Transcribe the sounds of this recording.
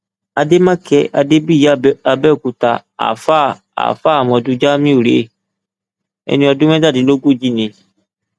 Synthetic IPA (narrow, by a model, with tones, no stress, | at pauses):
a˨de˦mã˦kɛ˦ʔa̰˨de˦bi˦˨ja˨bɛ˦˨ku˨t̪a˨a̰˨fa˦˨ | a̰˨fa˦˨mɔ̃˨du˧d͡ʒa˦mĩ˦u˨ɾe˨˦ | ɛ̰˨nĩ˦ɔ˧˨du˦m˦ɛ̃˦da˦˨di˨lo˦ɡu˦˨d͡ʒi˦nẽ˨